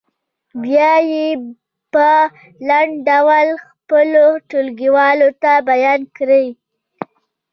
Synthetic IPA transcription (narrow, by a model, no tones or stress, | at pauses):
bjɑje | pə | laɳɖɖawalxpəloʈolɡiwɑlot̪abajɑnkɾəj